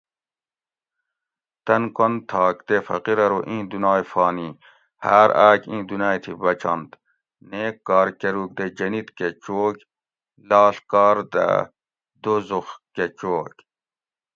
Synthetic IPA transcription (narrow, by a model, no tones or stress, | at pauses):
t̪ɐnkont̪ʰːɑːkd̪efɐ̰qiɾɐɾoʔĩːd̪unɑːjfɑːni | haːɾaːkĩːd̪unaːjt̪ʰibɐt͡ʃʰɐ̰nd̪ | neːkːɑːɾkeɾuːk̚d̪ed͡ʒɐnit̪ket͡ʃoːk | lɑːɬkɑːɾd̪a̰ | d̪ozuxket͡ʃoːkʲ